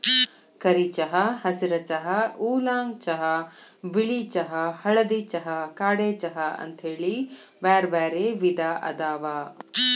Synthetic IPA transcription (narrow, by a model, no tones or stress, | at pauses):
kɐɾit͡ʃɐɦɐhɐsiɾɐt͡ʃɐɦɐuːlaːŋt͡ʃɐɦɐʋiɭit͡ʃɐɦɐhɐɭɐd̪it͡ʃɐɦɐkaːɽeːt͡ʃɐɦɐɐ̰nt̪ɦeːɭiʋaːɾʋaːɾeːʋid̪aːʔɐ̰d̪aːʋaː